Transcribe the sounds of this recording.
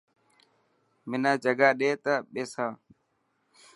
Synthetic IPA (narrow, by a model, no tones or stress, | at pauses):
mɪnaːd͡ʒəɡaːɗeːt̪əɓeːsãː